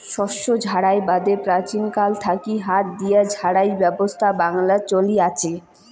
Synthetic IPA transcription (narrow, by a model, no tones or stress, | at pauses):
ʃɔʃod͡ʑʱaɽaebad̪epɾat͡ɕinkalt̪ʰakiɦat̪̚d̪ijad͡ʑʱaɽajbɛbost̪ʰabaŋlat͡ɕoliat͡ɕʰe